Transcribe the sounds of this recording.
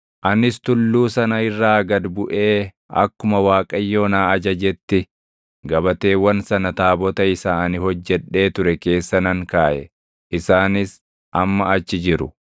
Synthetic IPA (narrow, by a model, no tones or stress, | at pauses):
ʔɐnɪst̪ʊlːuːsɐnɐɪrːaːɡɐd̪bʊʔe̞ː | ɐ̰kːʊmɐwaːkʼɐjːo̞ːnaːɐd͡ʒɐd͡ʒɛt̪ːɪ | ɡɐbɐt̪e̞ːwɐnsɐnɐt̪aːbɔt̪ɐɪsaːnɪhɔd͡ʒːɛᶑe̞ːt̪ʊɾɛke̞ːsːɐnɐŋkaːʔɛ̰ | ʔɪsaːnɪs | ʔɐmːɐɐt͡ʃːɪd͡ʒɪɾʊ